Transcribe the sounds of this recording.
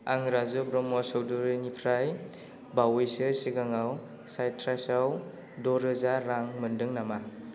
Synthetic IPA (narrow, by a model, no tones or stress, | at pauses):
aŋɾazubɾɔmɔsɔwduɾnipʰɾaj | bawejsɯsiɡaŋaw | sajtʰɾasaw | dɔɾɯzaɾaŋmɯndɯŋnama